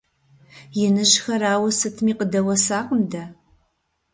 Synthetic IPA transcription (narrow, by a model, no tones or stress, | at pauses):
jɪnɨʒxɐraːwɐsɨtʰmiːqədɐwɐsaːqəmdɐ